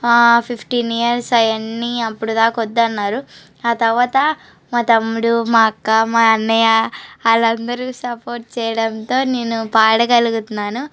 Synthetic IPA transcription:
aːpʰipʰʈiːnijɐɾsɐjɐnːiɐpːuɽud̪aːkɐɔd̪ːɐnːaːɾu | aːt̪ɐɾʋaːt̪ɐ | maːt̪ɐmːuɽumaːɐkːɐmaːɐnːɐjɐɐlɐnd̪ɐɾusɐpo̞ːɾʈ̚t͡ʃɛːjɐɽɐnt̪o̞ːneːnːupaːɽɐkɐluɡut̪unːaːnu

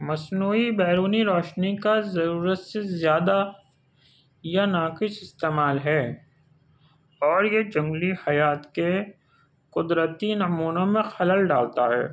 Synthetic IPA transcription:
mɐsnuːibɛːɾuːniɾɔːʃnikazɐɾuːɾət̪sezjaːd̪a | janaːkɪʃɪst̪eːmaːlɦɛː | ɔːɾjed͡ʒɐ̃ŋɡlihɐjaːt̪ke | qʊd̪ɾət̪inɐmuːnõmẽxɐləlɖaːlt̪aɦɛ̰ː

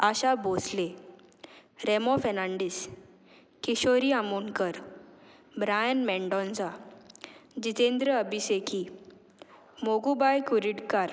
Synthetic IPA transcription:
aɕabosle | ɾemɔfɛnãɳɖis | kiɕoɾiamuɳkəɾ | bɾajənmɛɳɖɔ̃nd͡za | d͡ʑit̪end̪ɾəəbiseki | moɡubajkuɾiɽkaɾ

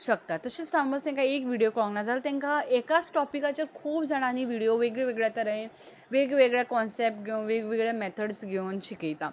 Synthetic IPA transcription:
ɕəkt̪at̪əsət͡ssambəd͡zt̪ɛ̃ŋkaekʋiɽijokɭŋnad͡zalt̪ɛ̃ŋkaekat͡sʈɔpikat͡ɕaɾkʰuːpd͡zʱaɽ̃aniʋiɽijoʋeɡɭeʋeɡɭjat̪əɾəẽn | ʋeɡʋeɡɭjakɔnsep̚ʈ̚ɡʱenʋeɡʋeɡɭamɛt̪ʰəɽsɡʱewnɕikijt̪a

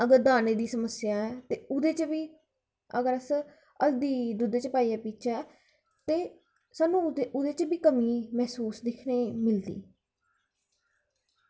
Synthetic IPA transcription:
əɡəɾd̪aːneːd̪iːsəməsɪjaːɛːt̪eːʊd̪eːt͡ʃbiː | ə̰ɡəɾəs | əld̪iːd̪ʊd̪eːt͡ʃəpaːiɛːpiːt͡ʃʰɛː | t̪eː | saːnːũːʊd̪eːt͡ʃbiːkəmiːmɛːsuːsd̪eːkʰneːmɪld̪ḭː

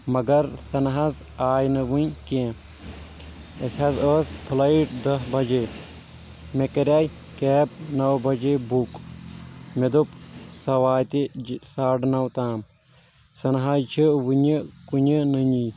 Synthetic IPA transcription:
mɐɡɐɾsɐnɦɐz | aːjnɨʋunkẽ | esɐzəːspʰlɐjiʈd̪ɐsbɐd͡ʒeː | mekɐɾʲaːj | keːb̚nɐwbɐd͡ʒebuk | med̪upsɐʋaːjt̪isaːɖnɐwt̪aːm | sɐnɦajt͡ʃʰiʋuɲɨkuɲɨnəɲi

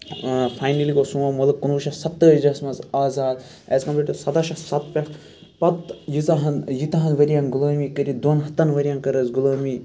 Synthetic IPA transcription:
fʰaːjnɐliɡoːsuːamɐlɨkkunuːʃɐsɐt̪ːəd͡ʒɐsmɐzaːzaːd̪ | ezkɐmpliʈɐsɐt̪aʃɐsɐt̪̚pʲɐ | pɐt̪jizaɦɐnjit̪aɦɐnʋɐɾijanɡulɐːmiːkɐɾid̪oːnɦɐt̪ːɐnʋɐɾʲijãːnkɐɾəzɡulɐːmiː

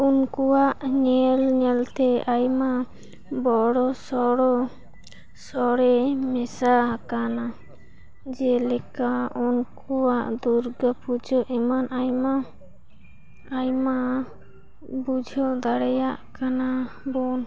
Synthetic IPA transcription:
unkɔwaʔɲɛlɲɛlt̪ɛajma | bɔɽɔsɔɽɔ | sɔɽɛmɛsaɦkana | d͡ʒɛlɛkaunkɔwaʔd̪uɾɡəpud͡ʒʱɔʔɛmanajma | jma | bud͡ʒʱɔd̪aɽɛjaʔkana | bɔn

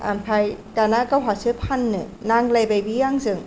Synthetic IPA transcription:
ʔa̰mpʰajt̪aːnakawɦasʰɯpʰanːɯnaŋlajpajbiaŋsɯŋ

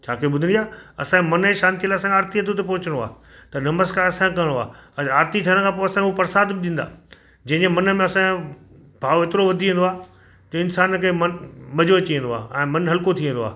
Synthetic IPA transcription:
t͡ɕʰaːkʰioɓʊd̪ʱɪɽiaːɐ̰sãmɐnəeʃaːnt̪iəlaːɐsãaːɾt̪iɐt̪ʰot̪̬epɐɦʊt͡ɕəɽ̃oa̰ː | t̪ɐnɐməskaːɾɐsãkɐɪɽ̃oaːɐaːɾt̪it̪ʰiəɽ̃kʰãːp̬oːɐsãʊpɐɾsaːd̪ɗĩːn̆d̪a̰ː | d͡ʑɐ̃ɦɪ̃d͡ʑemɐnə̆mẽɐsã | bʱaːʋet̪ɪɾoʋɐd̪ʱiʋẽːnd̪oaː | d͡ʑoːɪnsaːnkʰeːmɐnmɐd͡ʑʱoɐt͡ɕiẽn̆d̪oa̰ːɛ̃ːmɐnɦɐlkot̪ʰiẽnd̪oa̰ː

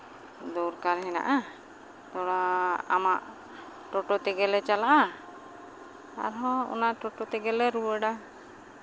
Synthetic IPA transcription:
d̪ɔɾkaɾɦɛna̰ʔa | t̪ɔɽaa̰maʔ | ʈɔʈɔt̪ɛɡɛlɛt͡ʃalaʔa | a̰ɾɦɔ̃ɔ̰naʔʈɔʈɔt̪ɛɡɛlɛɾuwəɖa

